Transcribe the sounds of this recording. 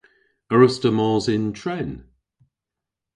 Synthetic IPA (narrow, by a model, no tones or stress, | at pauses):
əɹʊstəmɔːzɪ̃ntʰɹ̥ɛn